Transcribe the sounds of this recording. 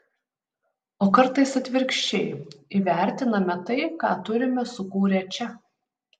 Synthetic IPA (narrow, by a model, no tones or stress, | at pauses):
oːkɐɾt̪ɐɪsɐt̪ʲʋʲɪɾʲkʃʲt͡ʃʲɛɪiʋʲæˑɾʲt̪ʲɪnɐmʲɛt̪ɐɪkɑ̰ːt̪ʊɾʲɪmʲɛsʊkuːɾʲɛt͡ʃʲɛ